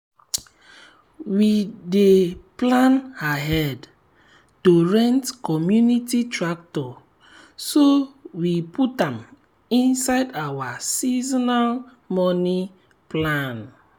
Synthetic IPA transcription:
wideplãnaɦɛd | toɹɛ̃ntkɔmjunititɹak̚tɔ | sowipʰutãm | ĩnsaɪdawasizɔnal | mɔni | plãn

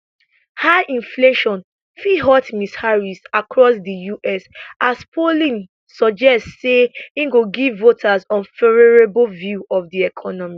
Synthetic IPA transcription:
haʔĩnfleʃɔ̃n | fiɦɔtmishaɹisakʰɹɔsdəjuʔɛsaspʰolĩn | sɔd͡ʒɛstseĩɡoɡivːotʰazɔ̃nfɛɹɛɹebvjuɔfdiɛkʰɔnɔmi

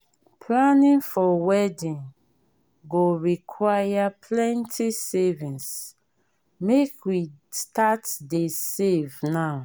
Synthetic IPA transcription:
pʰlanĩnfɔwɛdĩn | ɡoɹikʰwajapʰlɛ̃ntʰisevĩns | mekwistatdesevnaʊ

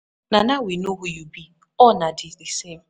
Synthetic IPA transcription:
nanawinoɦujubi | ɔnadɪdisem̩

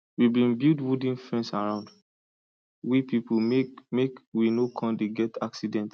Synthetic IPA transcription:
wibĩbildwudĩnfɹɛ̃nsaɹãʊ̃nd | wipipummekwinokʰɔ̃ndeɡɛtʰaksidɛ̃nt

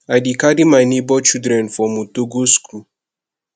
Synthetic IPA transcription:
adikadimanebɔt͡ʃudɾɛ̃nfɔmutoɡoskɾu

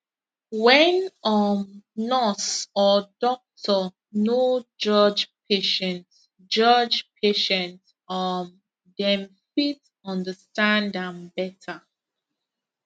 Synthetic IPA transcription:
wɛ̃nɔmnɔsɔdɔk̚tʰɔ | nod͡ʒʌd͡ʒpʰeʃɛ̃nt | d͡ʒʌd͡ʒpʰeʃɛ̃nt | ɔm | dɛ̃mfit | ɔ̃ndəstãndãmbɛtʰə

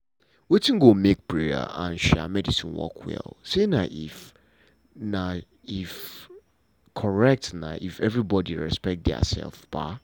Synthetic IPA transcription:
wetĩŋɡomek̚bɹia̰ãnʃɛ̰mɛdisĩnwɔ̰kʰwɛ̰lˠsenãʔif | nã | if | kʰɔɹɛk̚tnã̰ʔifɛvɹibɔdiɹɛ̰spɛk̚t̚dɛa̰sɛ̰lˠfb̥a̰

